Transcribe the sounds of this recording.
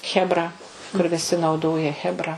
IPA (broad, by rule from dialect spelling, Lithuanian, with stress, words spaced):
xʲɛbˈrɐ kʊr ʋʲɪˈsʲɪ nɐʊˈdoːjɛ xʲɛbˈrɐ